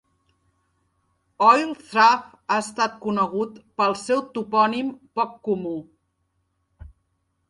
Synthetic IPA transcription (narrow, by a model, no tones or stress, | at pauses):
ɔjlθɾaf | aəst̪at̪̚kunəɣ̞ut̪pəlˠsɛwt̪upɔnimpɔkːumu